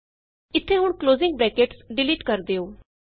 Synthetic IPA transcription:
ɪt̪ʰːeːɦʊɳkloːzɪŋɡ̚bɾɛːkeːʈsɖɪliːʈkəɾd̪eːoː

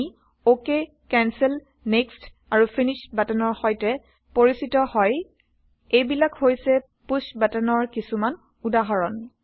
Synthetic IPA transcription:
oke | kɛnsɛl | nekst | aɹupʰinisbatanɔɹxɔjtɛ | poɹisitɔhɔj | ejbilakhojsɛ | pusbatanɔɹkisuman | udaɦɔɹɔn

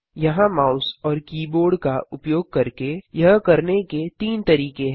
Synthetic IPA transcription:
jɐɦãmaːʊsɔːɾkiːboːɾɖkaʊpjoːɡ̚kɐɾkejɐɦkɐɾneket̪iːnt̪ɐɾiːkeɦ

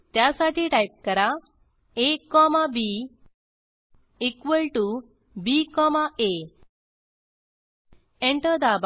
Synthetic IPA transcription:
t̪jasaʈiːʈajp̚kəɾa | ekːɔmabi | ikʋəlʈu | bikɔmaʔe | eɳʈəd̪aba

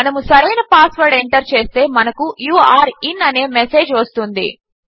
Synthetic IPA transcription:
ɐnɐmusɐɾɐjnɐpaːsʋɐɾɖeɳʈɐɾt͡ʃe̞ːst̪e̞ːmɐnɐkujuːaːɾinɐne̞ːmese̞ːd͡ʒʋɐst̪und̪ḭ

